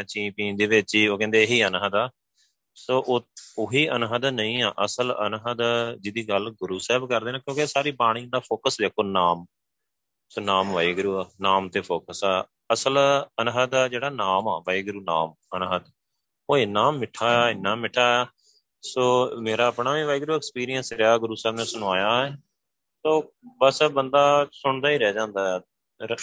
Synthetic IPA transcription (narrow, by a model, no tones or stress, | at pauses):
ãt͡ʃĩːpĩːnd̪eːʋɪt͡ʃːoːkɛ̃ːnd̪eːɦiːənɦəd̪aː | soːʔoːoːɦiːʔənɦəd̪nəĩːa̰ːʔəsələ̰nɦəd̪d͡ʒɪd̪iːɡəlɡʊɾuːsɛːbkəɾd̪eːnãːkjõːkesaːɾiːpaːɽ̃ĩːd̪aːpʰoːkəsd̪eːkʰoːnaːm | soːnaːmʋaːiːɡɾuːaːnaːmt̪eːpʰoːkəsaː | əsələnɦəd̪aːd͡ʒeːɽaːnaːma̰ːʋəːiːɡɾuːna̰ːm | ənɦəd̪ | oːɪːnaːmːɪʈʰːaːɪnːaːmɪʈʰːaː | soːmeːɾaːəpɳaːʋĩːʋaːiːɡɾuːɛːkspiːɾijənsɾaːɡʊɾuːsɛːbnẽːsʊñʋaːjaːɛː | soːbəsbənd̪aːsʊɳ̃d̪aːiːɾɛːd͡ʒãːnd̪aːɛ